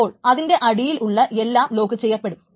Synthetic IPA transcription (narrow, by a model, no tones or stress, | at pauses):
oːɭɐðinde̞ʔɐɽijilʔuɭːɐʔe̞lːaːmlo̞ːkːɨt͡ɕe̞jːɐpːe̞ɽum